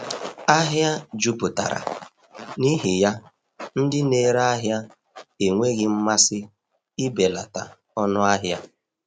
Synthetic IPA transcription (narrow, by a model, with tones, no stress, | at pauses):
a˦ɦja˦d͡ʒu˦pʊ˨ta̰˨ɾa̰˨ | ni˦ɦɪ˨ja˦ | n̩˦dɪ˦ne˦˨ɾa˦ɦja˦ | e˨ŋʷe˦ɣɪ˦m̩˦ma˦sɪ˦ | i˦be˨la̰˨ta˨ | ɔ˦nʊ˦a˦ɦja˦